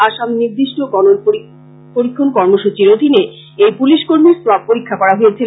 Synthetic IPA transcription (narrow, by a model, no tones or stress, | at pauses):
aʃamniɾd̪iʃʈoɡɔnon | poɾikʰːonkɔɾmoʃut͡ɕiɾod̪ʱine | ejpuliʃkoɾmiɾsoab̚poɾikʰːakɔɾaɦoet͡ɕʰi